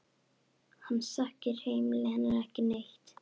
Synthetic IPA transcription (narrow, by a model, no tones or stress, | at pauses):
hanːsahcɪɾ̥hejmɪlɪhɛnːɪɾɛhcɪnejht̪